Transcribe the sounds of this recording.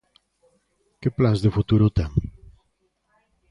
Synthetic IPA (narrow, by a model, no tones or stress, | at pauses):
keplanzðefut̪uɾot̪ɛŋ